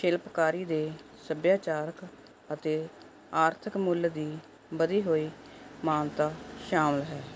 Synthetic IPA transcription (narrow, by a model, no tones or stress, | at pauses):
ʃɪlpkaːɾiːd̪eː | səbjaːt͡ʃaːɾək | ət̪eː | aːɾt̪ʰəkmʊld̪iː | bəd̪iːɦoːiː | maːnt̪aːʃaːməlɦɛː